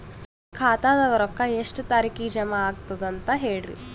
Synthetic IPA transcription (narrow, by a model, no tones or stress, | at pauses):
kʰaːt̪aːd̪ɐɡɐɾɐkːɐeʂʈt̪aːɾikiːd͡ʒɐmɐːɡ̚t̪ɐd̪ɐnt̪ɐɦeːɽɾḭ